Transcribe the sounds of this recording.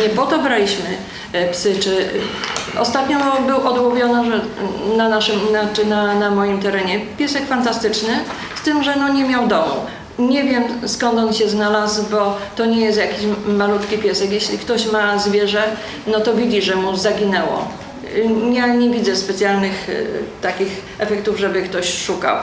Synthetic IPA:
ɲɛpɔt̪ɔbɾalʲiɕmɘ | psɘt͡ʂɘ | ɔ̰st̪at̪ɲɔbɘwʔɔd̪wɔbʲjɔnɔʐɛnanaʂɘmnananamɔjimt̪ɛɾɛɲɛpʲjɛsɛkfant̪ast̪ɘt͡ʂnɘ | st̪ɘmʐɛnɔɲɛmʲjawd̪ɔmṵ | ɲɛvʲjɛmskɔnt̪ɔnɕɛznalazbɔt̪ɔɲɛjɛst̪jakʲiɕmalut̪kʲipʲjɛsɛkjɛɕlʲikt̪ɔɕmazvʲjɛʐɛ | nɔt̪ɔvʲid͡ʑiʐɛmuzaɡʲinɛwɔ̰ | ɲjaɲɛvʲid̪zɛspɛt̪sʲjalnɘxt̪akʲix | ɛfɛkt̪uvʐɛbɘkt̪ɔɕʂuka̰w

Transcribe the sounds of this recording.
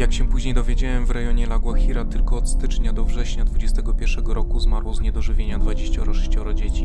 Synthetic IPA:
jakɕɛ̃puʑɲejd̪ɔvʲjed͡ʑawɛmvɾɛjɔɲɛlaɡwaxʲiɾat̪ɘlkɔːt̪st̪ɘt͡ʂɲad̪ɔvʐɛɕɲad̪vud͡ʑɛst̪ɛɡɔpʲjɛɾʂɛɡɔɾɔkuzmaɾwɔzɲɛd̪ɔʐɘvʲjeɲad̪vad͡ʑeɕt͡ɕaɔɾɔʂɛ̥ɕt͡ɕɔɾɔd͡ʑet͡ɕi

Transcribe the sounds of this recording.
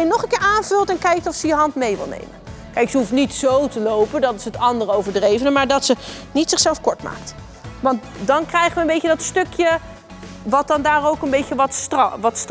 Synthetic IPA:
jnɔχənkɪːɹaːnv̥ɵlˠtɛnkɛjk̚tɔfsəjəɦɑntmejʋɪ̰lˠnḛjmənkɛjksəɦuftnitsowtəlowpəndɑtɪsɦətɑndəɹowvəɹdrejvənəmaːɹdɑtsənitsɪχsɛlˠfkɔɹtma̰ːkt | ʋɑnt | dɑnkrɛjχənʋənmbejcədɑtstɵkʰjə | ʋɑt̚dɑndaːrowkənbejəʋɑtʋɑtst

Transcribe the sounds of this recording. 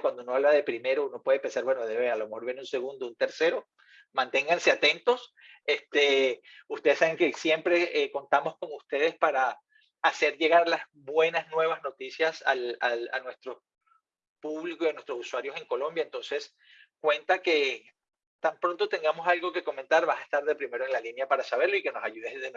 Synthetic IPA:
kwand̪ounoaβlaðe̞pɾime̞ɾouno̞pwe̞ð̞epe̞nsaɾbwe̞noðe̞βealo̞mexo̞ɾβjeneunse̞ɣund̪ount̪e̞ɾse̞ɾo̞ | mãnt̪e̞ŋɡanse̞at̪e̞nt̪o̞s | est̪eust̪eðesaβeŋkesjempɾe̞eko̞nt̪amo̞sko̞ŋust̪e̞ð̞e̞spaɾaː | se̞ɾʝe̞ɣaɾlaz | bwe̞naznwe̞β̞azno̞t̪isjasala̰a̰nwe̞st̪ɾo̞ | puβlikoianwe̞st̪ɾo̞suswaɾjo̞se̞ŋko̞lõ̞mbjaent̪onse̞s | kwe̞nt̪ake̞ | t̪ampɾo̞nt̪o̞t̪e̞ŋɡamo̞salɡo̞ke̞ko̞ment̪aɾβasaest̪aɾðe̞pɾime̞ɾoeŋlalinjapaɾasaβ̞e̞ɾloike̞no̞sajuðeðe

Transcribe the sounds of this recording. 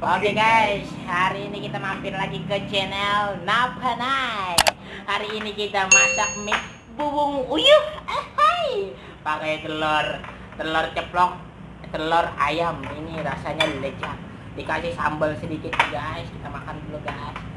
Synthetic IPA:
pakeɡajs | haɾiːnikit̪amampɪnlaɡikət͡ʃenɛlnabʱanaj | haɾiːnikit̪amasak̚mɪk̚ | buwʊŋujuhaj | pakajt̪əlɔr | t̪əlɔrt͡ʃəplɔk̚ | t̪əlɔra̰jaminiɾasaɲadləd͡ʒa | dikasɪhsa̰mbəlsədikɪt̪̚ɲaɡajskit̪amakanduluɡais

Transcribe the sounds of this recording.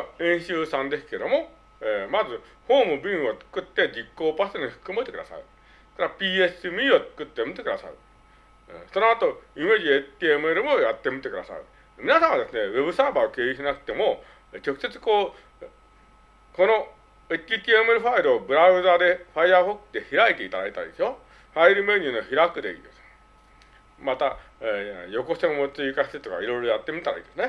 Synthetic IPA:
ẽɰ̃ɕɯːsãnd̪e̞sɨ̥ke̞d̪o̞mo | emazɨ | hõːmɯbiŋot͡sɯ̥kːɯt̪ːe̞d͡ʑikːoːpast̪enihɯ̥kɯmait̪e̞kɯ̟d̪a̰sa̰ɾɯ̰ | k̪aɾapʲiesɯmʲiot̪ɨ̥kːɯ̟t̪ːemɯ̟t̪ːekɯ̟d̪a̰sa̰ɾɯ̃ | sonoat̪o̞imed͡ʑiet̪ʲːiemɯeɾɯmojat̪ːe̞mɯt̪ːe̞kɯd̪a̰sa̰ɾɯ̟̰ | mʲinasãɰ̃ad̪e̞sɨne̞we̞bɯ̟sabaːokeːiɕinakɯ̥t̪e̞mo | t͡ɕo̞kɯ̟̥se̞t͡sɨ̥ko̞ː | ko̞no̞ | et͡ɕːit̪ʲiemɯeɾɯ̟ɸaiɾɯ̟obɯ̟ɾaɯ̟zaːd̪e̞ɸaiaːɸokːɯ̥d̪e̞çiɾait̪e̞it̪ad̪a̰it̪a̰ɾḭd̪e̞sɕo | ɸaiɾɯ̟me̞ɲ̟ʲiɯno̞çiɾakɯ̟d̪e̞̰ḭːd̪e̞sɨ̥ | mat̪a | jo̞ko̞seomot͡siikaɕi̥t̪et̪o̞ka̰iɾo̞iɾo̞jat̪ːe̞mʲit̪aɾa̰ḭːd̪e̞sɨne

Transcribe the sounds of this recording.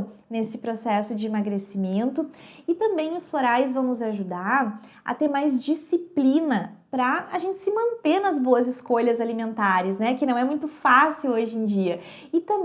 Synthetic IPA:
nesɪpɾosɛsʊd͡ʒɪimaɡɾesimẽnt̪ʊɪt̪ɐ̃mbẽj̃ʊsfloɾajɪzvɐ̃w̃nʊzaʒud̪aɾ | ɐ̰t̪eɾmajzd͡ʒisiplinɐpɾɐaʒẽnt͡ʃɪ̥sɪmɐ̃nt̪eɾnɐzboɐzɪskoʎɐzalimẽnt̪aɾɪsnɛkɪnɐ̃w̃ɛmũj̃t̪ʊfasiwoʒẽj̃d͡ʒiɐ | ɪt̪ɐ̃mb

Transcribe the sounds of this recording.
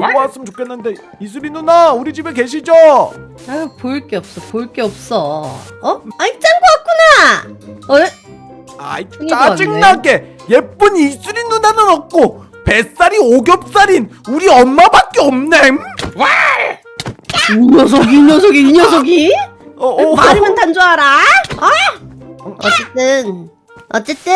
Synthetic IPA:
ooas͈ɯmt͡ɕokʰe̞nːɯnde̞ | is̬ʰuɾinːunauɾid͡ʑibeke̞ɕʰid͡ʑo | poiɭk͈eʌp̚s͈ʌpoiɭk͈eʌp̚s͈ʌʌait͡ɕ͈anɡoak̚k͈una | a̰iad͡ʑiŋnaɡe̞ | je̞p͈unisʰuɾinːunanɯnʌk̚k͈o | pe̞s͈aɾioɡjʌp̚s͈aɾinuɾiʌnmabak̚k͈eʌmnema | iɲʌs̬ʰoɡiɲʌsʰoɡiiɲʌs̬ʰoɡi | maɲimɯntand͡ʑoɦaɾaa | ʌ̰t͡ɕ͈et͈ɯn | ʌt͡ɕ͈et͈ɯ

